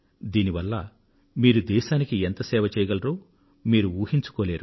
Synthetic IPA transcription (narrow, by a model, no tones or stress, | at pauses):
d̪iːniʋɐlːɐ̰ | miːɾud̪ɛːʃaːnikient̪ɐsɛːʋɐt͡ʃɛːjɐɡɐlɐɾoː | miːɾuuːhiɲt͡ʃu̥koːleːɾu